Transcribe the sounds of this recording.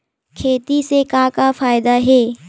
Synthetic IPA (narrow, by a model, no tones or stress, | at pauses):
kʰeːt̪isekakafaːɪd̪aɦeː